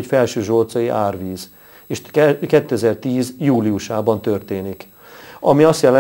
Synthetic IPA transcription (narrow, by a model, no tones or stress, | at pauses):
cfɛlʃøːʒoːlt̪sɒjiʔaːrviːz | eːʃkɛt̪ːøɛzɛrt̪iːzjuːliuʃaːbɒnt̪ørt̪eːnik | ɒmiɒst̪jɛlɛ